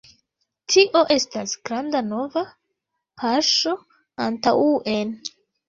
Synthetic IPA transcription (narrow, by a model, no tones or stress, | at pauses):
tʰiʔo̞ʔe̞stasɡ̥ɾandano̞va | pʰaɾʃo̞ | antawuʔen